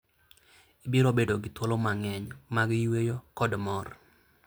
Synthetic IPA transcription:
ibiɾobedoɡɪt̪wolomaŋɛɲmaɡwejokɔdmɔr

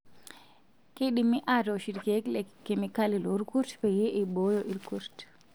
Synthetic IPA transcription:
keɗimiʔadɔʃiɾkeklɛkːemikaliloɾkuɾtpɛjɛʔibɔjɔʔiɾkuɾt

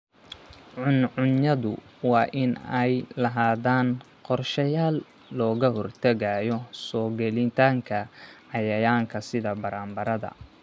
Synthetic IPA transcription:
ʊnʕʊnjɐðʊ̰wɑːʔɪnɛjlɐɦaːðaːn | qɔrʃɐjaːlː | ɔːɣɐɦɔrt̪ʰɐɣajɔsɔːɡɛlɪnt̪ʰaːŋkʰɐɐjɐjaːŋkʰɐsɪðɐbɐɾaːmbɐɾɐðɐ̰

